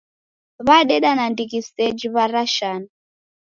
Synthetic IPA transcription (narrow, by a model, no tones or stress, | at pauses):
βaɗɛɗanandikistɛd͡ʒiβaɾaʃana